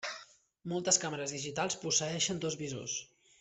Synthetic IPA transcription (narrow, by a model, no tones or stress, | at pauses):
mɔlˠt̪əskaməɾəzðiʒit̪alˠspusəɛʃənd̪ozβizo̰s